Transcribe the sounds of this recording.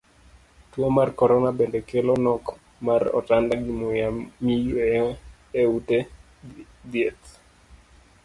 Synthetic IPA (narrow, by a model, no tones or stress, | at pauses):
twomarkɔɾɔnabendɛkelɔnɔk | marɔ̰tandaɡɪmojamijue | eute | d̪jet̪